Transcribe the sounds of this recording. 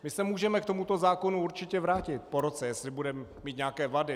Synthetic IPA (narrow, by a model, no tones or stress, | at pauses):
mɪsɛmuːʒɛmɛkt̪o̞mut̪o̞zaːko̞nuuɾt͡ʃɪcɛvɾaːcɪt̪̚poɾot͡sɛjɛslɪbudɛmɛmiːt̪ɲaːkɛːvadɪ